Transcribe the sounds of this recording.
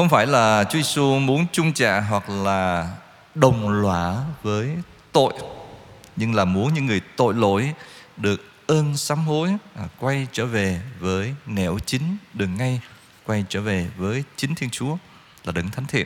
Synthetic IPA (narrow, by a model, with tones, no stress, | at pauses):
xə˧wŋ͡mfaː˧˩jlaː˨˩t͡ɕu˨˦je˧su˧mu˨˦ənt͡ɕʊ˧ŋ͡mt͡ɕa̰ː˧˨ɦwa˨˩k̚laː˨˩ | ɗə˨˩wŋ͡mlwaː˧˩vəː˨˦j | t̪o̰˧˨j | ɲɨ˧ŋlaː˨˩mu˨˦ənɲɨ̰˧˥ŋːɨ˨˩əjt̪o̰˧˨jlo̰˧˨jɗɨ˨˩ək̚ | ʔəː˧nsaː˨˦mɦo˨˦jkwa˧jt͡ɕəː˧˩ve˨˩vəː˨˦jnɛ˧˩wt͡ɕï˨˦ŋ̟ɗɨ˨˩ək̚ŋa˧j | kwa˧jt͡ɕəː˧˩ve˨˩vəː˨˦jt͡ɕï˨˦ŋ̟t̪ʰi˧nt͡ɕu˨˦ə | laː˨˩ɗɨ̰˧˩˦ŋt̪ʰjŋ̟t̪ʰḭ˧˨ən